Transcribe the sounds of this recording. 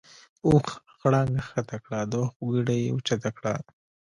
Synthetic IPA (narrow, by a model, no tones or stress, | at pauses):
ux | xɽɑŋɡaxat̪akɽad̪oxuɡiɽajḛʊt͡ʃat̪akɽa̰